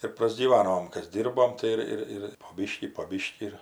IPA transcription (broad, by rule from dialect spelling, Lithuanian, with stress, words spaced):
ɪr prɐzʲɡʲiːˈʋɑːnoːm ˈkɐs ˈdʲiːrboːm tɐɪ ˈɪr ˈɪr ɪr poː ˈbʲiːʃʲkʲiː poː ˈbʲiːʃʲkʲiː ɪr